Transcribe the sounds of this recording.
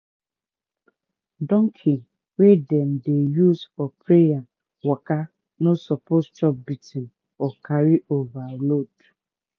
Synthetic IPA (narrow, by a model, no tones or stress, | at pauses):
dɔŋkʰi | wedɛm̩dejuzfɔpɾeja | waka | nosɔpost͡ʃɔp̚bitin | ɔkaɾiʔovalod